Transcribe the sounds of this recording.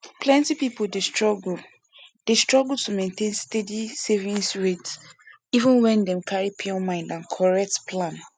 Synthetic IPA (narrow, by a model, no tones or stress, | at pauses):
pʰlɛ̃ntipipoldestɹɔɡul | d̥estɹɔɡultʰumẽntẽnstɛdisevĩnsɹets | ivə̃nwɛ̃ndɛ̃mkʰaɹipʰeɔ̃nmãɪ̃ndãnkʰɔɹɛk̚tpʰlãn